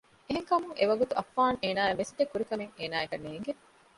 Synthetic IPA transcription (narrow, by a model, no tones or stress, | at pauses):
eɦeŋkɐmuŋʔeʋɐɡut̪uʔɐfːaːŋʔeːnaːjɐmːesd̪ekːuɾikɐmeŋeːnaːekɐnːeːŋɡe